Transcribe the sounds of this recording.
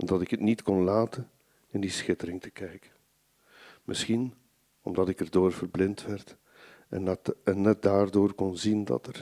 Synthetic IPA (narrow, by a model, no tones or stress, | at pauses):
ɔmdɑtɪkɦətnitkɔnlaːtən | ɪndisxɪtəɾɪŋtə̥kɛjkə | mʔɪsxin | ɔmdɑtɪkərdoːrv̥ərblɪntʋɛrt | ɛ̰ɛnːɛt̚daːrdoːrkɔnzindɑ̰tər